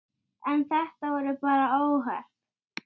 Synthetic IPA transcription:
ɛnθɛht̪avɔɾʏpaːɾaoːwɦa̰r̥

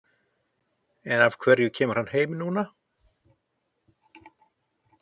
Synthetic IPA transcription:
ɛnavkʰvɛɾjʏcʰɛːmʏɾ̥hanːheːjmnuːna

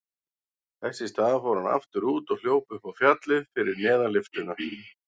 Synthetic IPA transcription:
θɛsːɪst̪aːðafɔwɾhana̰ft̪ʏɾuːt̪ɔɣl̥joːwpʏhpawfjat̪lɪðfɪɾɪɾnɛːðalɪft̪ʏna

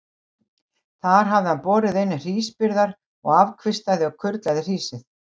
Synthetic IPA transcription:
θaɾ̥ɦavðɪhanpɔːɾɪðejnːɪr̥iːspɪɾðaɾ | ɔ̰ɣavkʰvɪst̪aðɪɔwkʰʏɾt̪laðɪr̥iːsɪθ

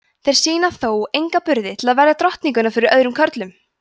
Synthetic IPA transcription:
θejɾ̥siːnaθoːwejŋkapʏɾðɪt̪ʰɪlaðvɛɾjat̪ɾɔht̪niŋkʏnafɪɾɪɾœðɾʏmkʰœɾt̪lʏm

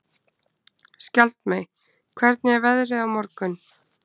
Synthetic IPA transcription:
scalt̪mɛj | kʰvɛɾt̪̚nɪɛɾvɛðɾɪðawmɔɾkʏn

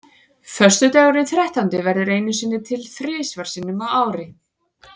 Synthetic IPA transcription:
fœst̪ʏt̪awɾɪθɾɛht̪ant̪ɪvɛɾðʏɾeːjnʏsiːnːɪt̪ʰɪlθɾɪːsvaɾ̥siːnʏmawaːwɾɪ

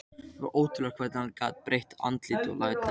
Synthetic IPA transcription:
ɛva̰ʔoːwt̪ʏlɛkʰvɛɾt̪nanka̰ːt̪̚pɾejht̪a̰nt̪liːt̪ɔ̰lat̪a

